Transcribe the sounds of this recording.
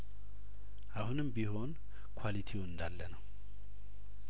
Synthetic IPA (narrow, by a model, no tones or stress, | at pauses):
ʔahunɨmbiɦo̞n | kʰwalit̪ʰiwɨnd̪alːənəw